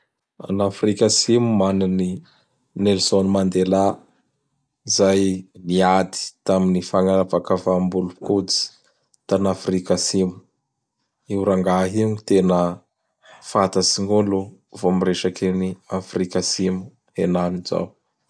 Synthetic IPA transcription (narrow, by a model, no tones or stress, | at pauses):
a̰nafrikasimumanani | nelsonumand̪ela | izajniat̪i̥t̪aminifaŋaɾapakavambulupkut͡si̥ | t̪anafrikasimu̥ | iwɾaŋɡaɦiŋit̪enə | fat̪asiŋulu | vomireʃakeniafrikasimu̥ | enaniza̰w